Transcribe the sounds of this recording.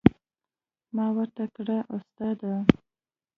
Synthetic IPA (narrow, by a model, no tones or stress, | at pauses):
mɑwaɾt̪akɽaʔost̪ɑd̪a